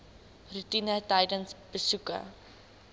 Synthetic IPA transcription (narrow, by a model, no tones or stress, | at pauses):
rutinətɐjdənsb̥əsukə̰